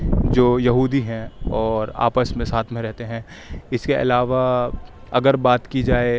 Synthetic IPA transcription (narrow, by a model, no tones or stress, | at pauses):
d͡ʒoːjɐɦuːd̪iɦɛ̃ɔːɾa̰ːpəsmẽsaːt̪ʰmẽɾɛɦt̪eɦɛ̃ | ɪskeʔɐ̰laːʋa | ɐɡəɾbaːt̪kid͡ʒaːe